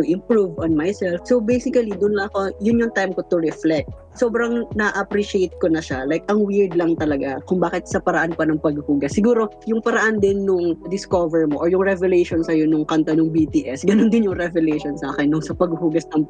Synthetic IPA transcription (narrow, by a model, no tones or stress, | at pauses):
ʊʔɪ̃mpɹuvonmajsɛlfsowbejsɪkɐlid̪ʊnlɐŋɐko̞jʊnjoŋt̪ajmko̞t̪ʊɾɛflɛt̪̚ | so̞ːbɾɐŋnɐʔɐpɾiʃejt̪̚konɐʃalajkʔɐŋwɪɹd̪lɐŋt̪ɐlɐɡakʊŋbaːkɪt̪̚sɐpɐɾɐʔanpɐnɐŋpɐɡʊhuːɡɐsːɪɡuːɾo̞jʊŋpɐɾɐʔand̪ɪnːʊŋd̪ɪskovɛɹmoʔoɹjʊŋɾɛvɛlɛjʃonsɐjonʊŋkɐnt̪ɐnʊŋbit̪iːʔɛsɡɐnond̪ɪnjʊŋɾɛvɛlɛjʃonsaːkɛnːʊŋsɐpɐɡʊhuːɡɐsnɐŋ